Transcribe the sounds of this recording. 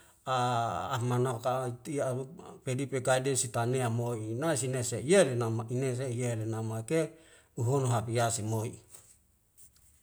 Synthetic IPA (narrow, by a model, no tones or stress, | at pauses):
a̰ːmanakait̪iapedipeɡaidensit̪aneamoinaisinesejelenamaines̬ejelenamake | uɦonoɦapiasimoḭ